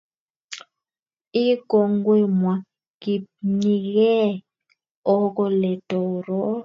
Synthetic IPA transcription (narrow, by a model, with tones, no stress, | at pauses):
i˦ɡ̥ʱo˨ŋɡwɛ˦mwa˨ | ki˨ni˨kɛ˦ | ɔ˦k̬ɔ˦lɛ˨d̥ʱɔ˨ɾɔ˦